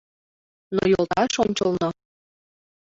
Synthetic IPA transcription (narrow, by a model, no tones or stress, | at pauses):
no̰jolˠt̪ɑʃonʲt͡ɕəlˠnɤ